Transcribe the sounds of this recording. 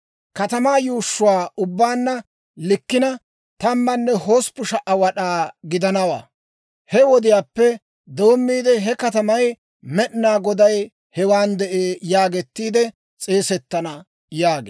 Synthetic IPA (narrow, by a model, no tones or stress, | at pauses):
kɐt̪ɐmaːjuːʃːʊwaːʔʊbːaːnːɐ | lɪkːɪnɐ | t̪ɐmːɐnːɛho̞ːspʊʃɐʔɐwɐɗaːɡɪd̪ɐnɐwa̰ː | hɛwɔd̪ɪjaːpːɛ | d̪o̞ːmːiːd̪ɛɦɛkɐt̪ɐmɐj | mɛɗɪnaːɡɔd̪ɐj | hɛwaːnd̪ɛʔeːjaːɡɛt̪ːiːd̪ɛ | t͡sʼe̞ːsɛt̪ːɐnɐ | jaːɡḛ